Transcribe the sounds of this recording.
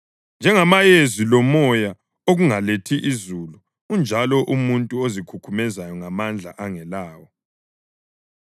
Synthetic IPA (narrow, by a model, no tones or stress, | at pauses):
nd͡ʒʱɛŋamajezilɔmɔja | oɣuŋaletʰiʔizulu | und͡ʒʱalɔʔumuntʼuozikʰukʰumɛzajɔŋamand͡ɮʱa̰ʔaŋɛlaːwɔ